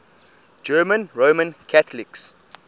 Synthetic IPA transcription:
d͡ʒɜːmə̃nɹomə̃nkʰatəliks

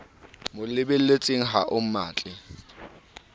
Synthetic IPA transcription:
mʊlɪbel̩let͡sʼɪŋ̩ɦaʔʊm̩maːt͡ɬʼɪ

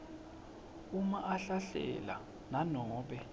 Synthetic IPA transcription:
umaʔaɬaɬɛ̰la̰ | nanɔːɓɛ

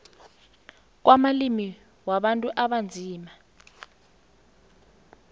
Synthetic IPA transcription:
k̬wʔamalimi | waɓantʼuʔaɓand͡zʱiːma

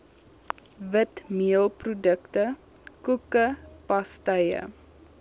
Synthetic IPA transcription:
vətmiəlˠprodəktə | kukəpɐstəjə̰

